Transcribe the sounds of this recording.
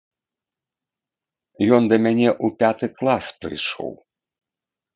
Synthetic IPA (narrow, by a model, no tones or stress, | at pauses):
jɔnd̪ɐmʲanʲɛʔupʲat̪ɨklˠaspɾɨ̰jʂɔ̰w